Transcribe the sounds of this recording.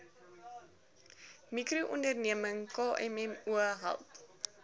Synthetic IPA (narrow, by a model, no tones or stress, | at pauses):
mikruʔɔndərniəməŋkɑːʔɛmɛmuəɦæ̰lˠp